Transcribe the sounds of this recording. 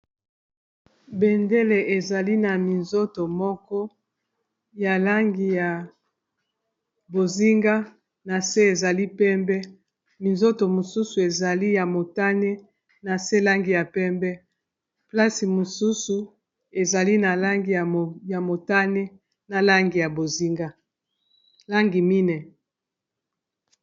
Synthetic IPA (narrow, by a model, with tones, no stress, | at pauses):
bɛ˨nde˦le˨e˨za˨li˦na˨mi˨nzo˦to˨mɔ˦kɔ˦ | ja˨la˦ŋɡi˨ja˨ | bo˨zi˦ŋɡa˦ | na˨se˦e˨za˨li˦pɛ˦mbɛ˦ | mi˨nzo˦to˨mo˨su˦su˨e˨za˨li˦ja˨mo˨ta˦ne˦ | na˨se˦la˦ŋɡi˨ja˨pɛ˦mbɛ˦ | pla˦si˨mo˨su˦su˨ | e˨za˨li˦na˨la˦ŋɡi˨ja˨mo˨ta˦ne˦ | na˨la˦ŋɡi˨ja˨bo˨zi˦ŋɡa˦ | la˦ŋɡi˨mi˦nɛ˨